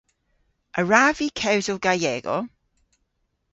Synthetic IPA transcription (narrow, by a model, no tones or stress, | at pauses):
əɹaːvikʰɛwzəlɡ̥ajɛːɡɔ̰